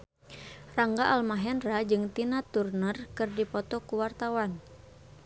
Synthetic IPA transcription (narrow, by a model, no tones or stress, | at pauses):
raŋɡaʔalmaɦɛnrad͡ʒɨŋt̪inat̪urnərkɨrdipɔt̪ɔkuwart̪awan